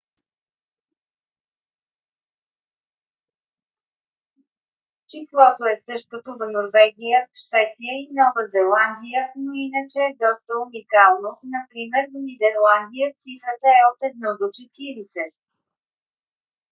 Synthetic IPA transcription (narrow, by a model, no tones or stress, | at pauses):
t͡ʃislˠɔt̪oɛsɤʃt̪̚kot̪ovɐnoɾvɛɡʲijəʃvɛt̪sijəinɔvəzɛlˠand̪ijənoinət͡ʃɛːd̪ɔst̪əunikalˠnonɐpɾimɛɾvnid̪ɛɾlˠand̪ijət̪sifɾət̪əɛot̪ɛd̪̚nɔd̪ot͡ʃɛt̪iɾisɛ